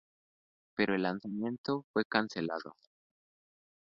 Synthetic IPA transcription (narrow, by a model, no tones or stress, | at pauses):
pe̞ɾoelːansamjẽ̞nt̪ofwe̞kanselaðo̰